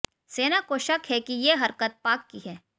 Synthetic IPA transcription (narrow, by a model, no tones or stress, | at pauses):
seːnakoʃɐkɦɛkijeɦɐɾkət̪̚paːkːiɦɛː